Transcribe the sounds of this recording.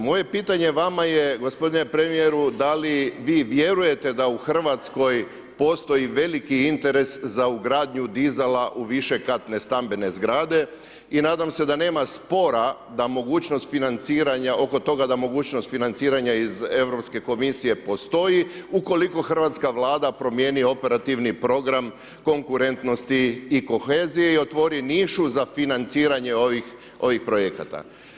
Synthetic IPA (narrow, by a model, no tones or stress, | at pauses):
mo̞je̞piːt̪aɲe̞ʋamajeɡo̞spo̞d̪inepɾe̞mije̞ɾud̪aliʋiːʋje̞ɾuje̞t̪e̞d̪auxr̩ʋat̪sko̞j | po̞st̪o̞jiʋe̞likiint̪e̞ɾe̞szauɡɾaːd̪ɲud̪izelaʔuʋiʃe̞kat̪ne̞st̪ambe̞ne̞zɡɾaːd̪e̞ | inaːd̪amse̞d̪ane̞ːmaspo̞ɾa | d̪amo̞ɡuːt͡ʃnost̪finant̪siːɾaɲaʔo̞ko̞t̪o̞ɡad̪amo̞ɡuːt͡ɕnost̪finant̪siːɾaɲaize̞ʋɾo̞pske̞ko̞misije̞po̞st̪o̞jiuko̞liko̞xr̩ʋat̪skaʋlaːd̪apɾo̞mje̞ːnio̞pe̞ɾat̪iʋnipɾo̞ɡɾam | ko̞ŋkuɾe̞nt̪no̞st̪iːko̞xe̞ːzije̞io̞t̪ʋo̞ɾiniʃuzafinant̪siːɾaɲe̞oʋix | o̞ʋixpɾo̞jeka̰t̪a̰